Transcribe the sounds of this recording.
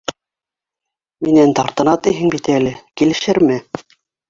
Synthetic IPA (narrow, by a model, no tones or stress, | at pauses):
minænt̪ɑɾt̪ɤ̆nɑt̪iɦɘŋbit̪ælɘkilɘ̆ʃɘɾmɘ